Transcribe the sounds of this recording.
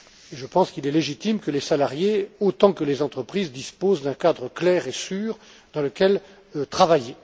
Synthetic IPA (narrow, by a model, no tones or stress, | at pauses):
eʒəpɑ̃skilɛleʒit̪imkəlesalaʁjeot̪ɑ̃kəlezɑ̃t̪χəpχizd̪ispozd̪ɛ̃kad̪ʁəklɛːʁesyːʁ | d̪ɑ̃ləkʲɛl | t̪χavaje